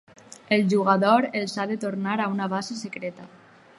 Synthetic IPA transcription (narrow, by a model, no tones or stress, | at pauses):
elʒuɣaðoɾelˠsaðet̪oɾnaɾaunaβasesekɾet̪a